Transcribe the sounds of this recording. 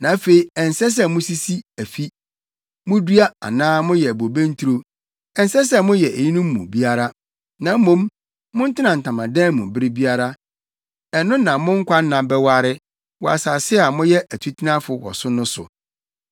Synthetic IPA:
nã˨˦fe˨i˨ɛ˨n˨sɛ˦s̬ɛ˦mʊ̃˦si˦si˦æ˨fi˦ | mʊ̃˦dɥa˦a̰˨nãː˦mʊ̃˦jɛ˨æ˨bo˨bẽ˦n̩˦tʰu˦ɾo˦ | ɛ˨n˦sɛ˦s̬ɛ˦mʊ̃˦jɛ˨ʔe˨ji˦nʊ̃˦mː˦ṵ̃˨bi˦a˦ɾa˦ | nã˨m̩˦mõ˨˦m | mʊ̃˦n̩˦tʰɪ˦nã˨n̩˨tʰã˨mã˨dɛ̃˦mʊ̃˨bɪ˦ɾɪ˦bi˦a˦ɾa˦ | ɛ˨nʊ̃˦nã˨mʊ̃˦ŋ̩˦kʰʷa˦n˦nã˨bɛ˦wa˦ɾɪ˦ | wɔ˨a̰˨saː˨sɪ˦a˨mʊ̃˦jɛ˦ʔæ˨tʰu˦tʰi˦nã˦fʊ˨wɔ̰˨sʊ˦nʊ̃˦sʊ̰˨

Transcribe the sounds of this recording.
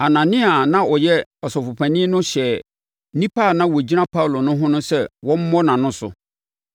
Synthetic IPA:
a˨nã˨nɪ̃˦a˨nã˦ɔ˨jɛ˦ɔ˨sɔ˨fʊ˨pʰæ̃˨nɪ̃˦nʊ̃˦ɕɛ˨ | nĩ˦pa˦˨nã˦wɔ˨d͡ʑi˦nã˦pʰa˦wlo˨nʊ̃˦ɦʊ̃˦nʊ̃˦sɛ˦wɔ̃˦m̩˦mɔ̃˦nã˨nʊ̃˦sʊ̰˨

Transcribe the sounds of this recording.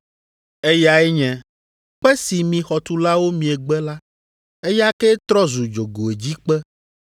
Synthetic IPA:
e˦ja˨ɛ˦ɲɛ̃˨ | ɸɛ˦si˨mĩ˨xɔ˨t̪u˦la˦wo˦mĩ˨ɛ˨ɡ͡bɛ˦la˦ | e˦ja˦kɛ˦t̪ɾɔ˦zu˨d͡ʒo˨ɡo˨e˨d͡ʑi˦k͡pɛ˦

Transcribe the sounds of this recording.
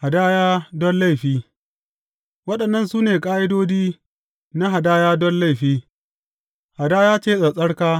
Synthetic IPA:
ha˨daː˦jaː˦dɔ˦nla˦˨jɸiː˦ | wɐ˦ɗɐ˨nːɐ˦nsuː˦neː˨kʼaː˦ʔɪ˦doː˦d͡ʒiː˦ | na˦ɦa˨daː˦jaː˦dɔ˦nla˦jɸiː˦ | ha˨daː˦jaː˦t͡ʃeː˦˨sʼɐ˨sʼɐ˦ɽkaː˦

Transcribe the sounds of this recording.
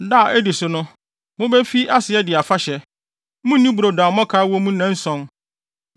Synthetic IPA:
da˦˨ʔɛ˦dɪ˨sʊ˨nʊ̃˦ | mʊ̃˦bɛ˦fi˦ʔa˦sɪ˨ɛ˦dɪ˨a˨fa˦ɕɛ˨ | mũ˦nĩ˦bu˨ɾo˨dãː˨˦mɔ̃˦kʰaː˨˦wɔ˦mũ˦nã˦n̩˦sɔ̃˦n

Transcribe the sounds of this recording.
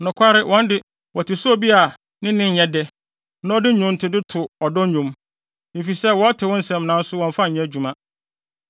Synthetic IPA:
nʊ̃˨kʷʰa˦ɾɪ˦wʔɔ̃˦n˦dɪ˨ | wɔ˨tʰɪ˨sʊ˦ɔ˦˨bi˦a˨ | nɪ̃˦nɪ̃˦ɲ̩˨ɲɛ̃˦dɛ˦ | nã˦ɔ˦dɪ˦ɲʊ̃˨˦n̩˦tʰɪ˦dɪ˦tʰʊ˨ɔ˨dɔ˦ɲũ˨m | e˨fi˨sɛ˦wɔ˦a˦tʰɪ˨wɔ̃˦n̩˦sɛ̃˨m˨nã˨n̩˦sʊ˦wɔ̃˨ɱ˦fa˦˨ɲɛ̃˦d͡ʑᶣu˨mã˦

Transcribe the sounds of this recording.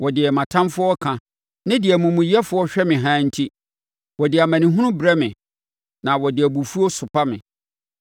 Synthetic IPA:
wɔ˨dɪ˨ɛ˨mã˨tʰã˦mfʊ˦ɔ˦kʰã˨ | nɪ̃˦dɪ˨æ˨mũ˨mũ˨jɛ˦fʊ˨˦ɔ˦ɕᶣɛ˦mɪ̃˨ɦãː˦n̩˦tʰi˦ | wɔ˨dɪ˨a˨mæ̃˨nɪ̃˨ɦʊ̃˦nʊ̃˦bɾɛ˦mɪ̃˨ | nã˨wɔ˨dɪ˨æ˨bu˨fu˦ɔ˦sʊ˨pʰa˦mɪ̰̃˨

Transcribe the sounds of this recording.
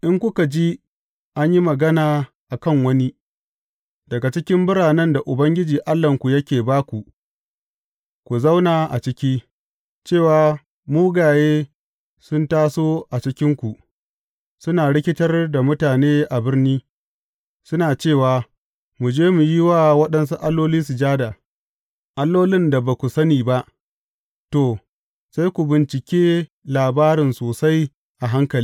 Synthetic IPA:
ʔɪ˦ŋkʷʊ˦ka˨d͡ʒi˦ | ʔa˦ɲji˦mɐ˨ɡɐ˦naː˨ | ʔa˨kɐ˦ŋwɐ˦ni˦ | dɐ˨ɡa˨t͡ʃɪ˦kʲɪ˦mbʊ˦ɽaː˨nɐ˦nda˨ʔʊ˨bɐ˦ŋɡʲɪ˦d͡ʒiː˨ʔa˦lːɐ˨ŋkʷu˨jɐ˦kʲeː˨baː˦kʷu˨ʔ | kʷu˨za˦wnaː˨ʔa̰˨t͡ʃɪ˦kʲiː˦ | t͡ʃeː˦˨waː˨ | muː˦ɡaː˨jeː˦ | sʊ˦ntaː˦soː˦ʔa˨t͡ʃɪ˦kʲɪ˦ŋkʷu˨ʔ | sʊ˦naː˨ɽɪ˦kʲɪ˦tɐ˦rda˨mʊ˦taː˨neː˦ʔa˨bɪ˦rniː˦ | sʊ˦naː˨t͡ʃeː˦˨waː˨ | mu˨d͡ʒeː˦mu˨jɪ˦waː˦wɐ˦ɗɐ˦nsu˦ʔa˦lːoː˦liː˦su˨d͡ʒaː˦da˨ | ʔa˦lːoː˦lɪ˦nda˨ba˨kʷu˨sɐ˦niː˨ba˦ʔ | toː˨ | sa˦jkʷu˨bɪ˨nt͡ʃɪ˨kʲeː˦ | laː˨baː˦ɾɪ˨nsoː˨sa˦j | ʔa˨ɦa˦ŋkɐ˨l

